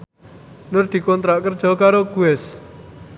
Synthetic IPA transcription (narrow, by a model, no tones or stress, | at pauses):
nʊrd̪̥i̤kɔnt̪ɾaʔkərd̥ʒ̥ɔ̤kaɾoɡ̥uɛs